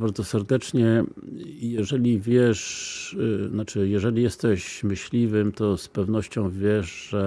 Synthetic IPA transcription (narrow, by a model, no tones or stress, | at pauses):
baɾd̪zɔsɛɾd̪ɛt͡ʂɲɛ | jɛʐɛlʲivʲjɛʂ | nat͡ʂɘjɛʐɛlʲijɛst̪ɛɕmɘɕlʲivɘmt̪ɔspɛvnɔɕt͡ɕɔ̃w̃vʲjɛʂʐɛ